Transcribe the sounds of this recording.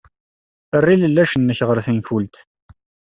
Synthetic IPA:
ərːiləlːæʃənːəçʁəɾθinçult̪

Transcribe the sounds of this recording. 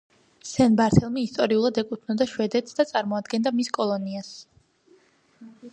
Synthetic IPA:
sɛnbaɾt̪ʰɛlˠmiist̪ʼɔɾiulˠad̪ɛkʼut̪ʰnɔd̪aʃwɛd̪ɛt̪sʰd̪at̪sʼaɾmɔad̪ɡɛnd̪amiskʼɔlˠɔnias

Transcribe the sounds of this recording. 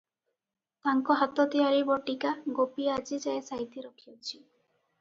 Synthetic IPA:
t̪aŋkɔɦat̪ɔt̪iaɾibɔʈikaɡopiad͡ʒid͡ʒaesaɦit̪iɾɔkʰiɔt͡ʃʰi

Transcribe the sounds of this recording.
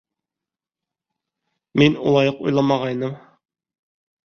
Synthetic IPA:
menulˠɑjəqṵjlˠɑmɑʁɑjnɨm

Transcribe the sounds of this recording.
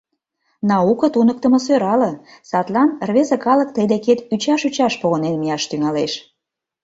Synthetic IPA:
nɑukɤ̆t̪unək̚t̪ə̆mɤsøɾɑlɤ̆sɑt̪lɑnrβezəkɑlə̆k̚t̪əjd̪eket̪yt͡ɕɑʃyt͡ɕɑʃpoɣənenmijɑʃt̪yŋɑleʃ

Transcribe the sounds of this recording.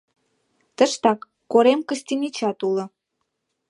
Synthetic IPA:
t̪əʃt̪ɑkːoɾemkəst̪inʲit͡ɕɑt̪ulə̆

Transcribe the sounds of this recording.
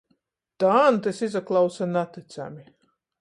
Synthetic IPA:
t̪ant̪ɨsizaklˠawsanat̪ːit̪sa̰mʲi

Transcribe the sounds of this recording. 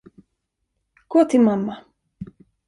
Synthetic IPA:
ɡ̥ɔːt̪ʰɪlmamːa

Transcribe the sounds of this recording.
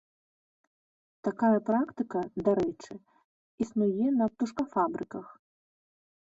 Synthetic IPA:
t̪akajɐpɾakt̪ɨkɐd̪aɾɛt͡ʂɨ | isnujɛnɐp̚t̪uʂkɐfabɾɨkɐx

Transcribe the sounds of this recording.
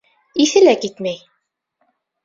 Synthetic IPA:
iθɘ̆lækit̪mæj

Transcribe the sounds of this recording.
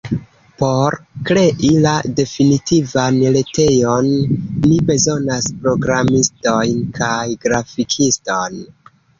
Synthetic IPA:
po̞ɾkɾe̞ʔilade̞finitivanle̞te̞jonːibe̞zo̞naspɾo̞ɡɾamisto̞jnkʰajɡɾafikʰisto̞n

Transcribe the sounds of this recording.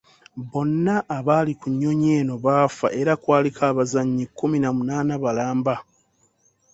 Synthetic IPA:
βo̞nːaʔːβalikuɲːo̞ɲe̞ːno̞βaːfa̰ʔe̞ɾakwaːlikʰaːβazaɲːikːuminamunaːnaβalaːmba

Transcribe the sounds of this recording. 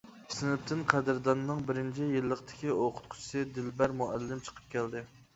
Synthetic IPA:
sɪnɪp̚t̪ʰɪnqʰæd̪ɪɾd̪ɑnːɨŋbɪɾɪnt͡ʃʰijilːəqt̪ʰɪ̥kʲioqʰʊ̥t̪̚qʰʊ̥t͡ʃʰi̥sɨd̪ɪlbæɾmuælːɪmt͡ʃʰə̥qʰə̥p̚kʲæld̪ɪ

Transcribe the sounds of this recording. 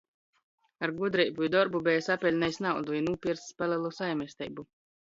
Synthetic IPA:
aɾɡud̪ɾɛjbuid̪ɔɾbubɛjsapʲɛlʲnɛjsnawd̪uinuːpʲiɛɾsspalɛlˠusajmʲɛsʲt̪ɛ̰jbu

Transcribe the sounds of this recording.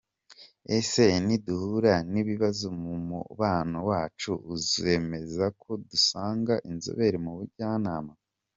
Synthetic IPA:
ese̞niduhuɾaniβiβazomumṵβaːnowaːt͡ʃuːzie̞me̞zakʰo̞dusaːŋɡaʔinzo̰βe̞ɾimuβuɾɟaːnaːma

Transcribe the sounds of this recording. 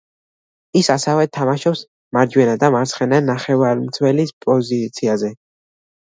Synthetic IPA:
isasɛvɛt̪ʰamaʃɔps | maɾd͡ʒwɛnad̪amaɾt̪sʰχɛnanaχɛvaɾmt̪sʰwɛlispʼɔzit̪sʰiazɛ

